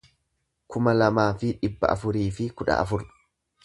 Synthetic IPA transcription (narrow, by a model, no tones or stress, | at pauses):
kʊmɐlɐmaːfɪᶑɪbːɐ̰ʔɐ̰fʊɾiːfɪkʊᶑɐ̰ʔɐ̰fʊɾ